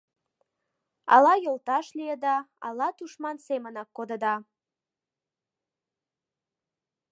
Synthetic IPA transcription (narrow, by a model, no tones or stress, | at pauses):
ɑ̰lɑjolˠt̪ɑʃliəd̪ɑɑ̰lɑt̪uʃmɑnsemənɑkːod̪əd̪ɑ